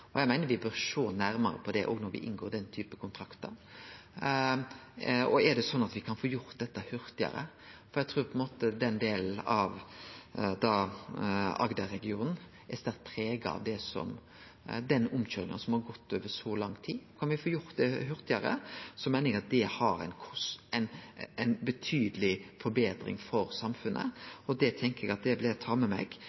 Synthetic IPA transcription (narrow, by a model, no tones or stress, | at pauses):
ɔjæɪmæɪnəɾʋɪbøːɾʂoːnæɾmɑɾə̰pʰɔd̪ɛʔɔ̰ɡnɔɾʋɪ̰ʔɪnɡoːɾd̪ɛnt̪ʰyːpəkʰʊnt̪ʰɾɑkt̪əɾ | ɔɛɾɖ̪ɛsɔnːɑt̪ʋɪkʰɑnfoːjʊɾt̪d̪ɛt̪ːəhʉɾt̪ɪɑ̰ɾə̰ | fɔɾæɡt̪ʰɾuːɾpʰɔɛnmoːt̪əd̪ɛnd̪eːln̩ɑʋ | d̪ɑː | ɑ̰ɡd̪ɑɾɛɡɪuːnn̩ | æɾst̪æɾt̪̚pʰɾeːɡɑ̰ʋd̪ɛsɔ̰m | d̪ɛnʊmɕøːɾɪ̰ŋənsɔmhɑɾɡɔt̪ːøːʋəɾsɔlɑŋt̪ʰiːkʰɑnʋɪfoːjʊɾt̪̚d̪ɛɦʉɾt̪ɪəɾə̰sɔmæɪnɪɡɑt̪̚d̪ɛhɑɾænkʰɔsɛnɛnbət̪ʰyːd̪əlɪfɔɾbeːd̪ɾɪ̰ŋfɔɾsɑmfʉnʔə̰ɔd̪ɛt̪ʰɛŋkəɛɡɑt̪̚d̪ɛblɪt̪ʰɑmɛmɛ̰ɡ